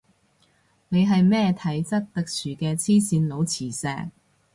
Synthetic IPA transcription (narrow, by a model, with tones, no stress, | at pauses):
ne˨˧jɦɐ˨jmɛː˥t̪ʰɐ˨˥jt͡sɐ˥k̚t̪ɐ˨k̚syː˨kɛː˧t͡sʰiː˥siː˨˧nlo˨˧wt͡sʰiː˨˩sɛ̰ː˧k̚